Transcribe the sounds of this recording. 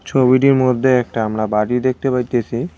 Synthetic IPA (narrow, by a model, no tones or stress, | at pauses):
t͡ɕʰobiʈiɾmod̪ʱːeɛk̚ʈaamɾabaʈid̪ek̚ʰt̪epaɾt̪et͡ɕʰi